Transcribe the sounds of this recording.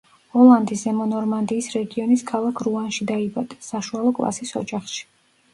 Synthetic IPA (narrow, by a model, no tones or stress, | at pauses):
ɔlˠand̪isɛmɔnɔɾmand̪iːsɾɛɡiɔniskʰalˠakʰɾuanʃid̪aibad̪̥ɛ̥saʃualˠɔkʼlˠa̰sisɔ̰d͡ʒaχʃi̥